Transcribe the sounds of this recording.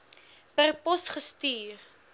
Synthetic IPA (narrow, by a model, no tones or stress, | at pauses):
pərpɔsχəstiːr